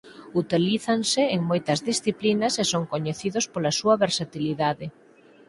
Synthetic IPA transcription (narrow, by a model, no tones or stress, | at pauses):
ut̪iliθansɪːŋmojt̪ɐzðisθiplinɐsesoŋkoɲeθiðospolasuɐβeɾsat̪iliðaðe